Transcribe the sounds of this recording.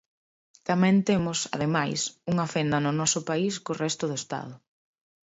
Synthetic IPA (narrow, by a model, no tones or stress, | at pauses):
t̪amɛ̃nt̪emʊsa̰ðemajsuŋɐfend̪ɐnʊnɔsʊpaiskʊrɛst̪ʊðʊest̪a̰ðʊ